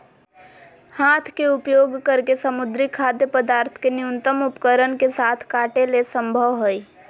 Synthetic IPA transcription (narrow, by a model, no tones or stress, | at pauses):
haːt̪ʰkeʊpjoːɡkəɾkesəmʊd̪ɾikʰaːd̪jəpəd̪aːɾt̪ʰkenɪjʊnt̪əmʊpkəɾənkesaːt̪ʰkaːʈelesə̃mbʱəʋɦoi